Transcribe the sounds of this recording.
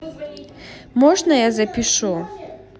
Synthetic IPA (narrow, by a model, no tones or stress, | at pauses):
mɔʐnɐjazɐpʲiʂu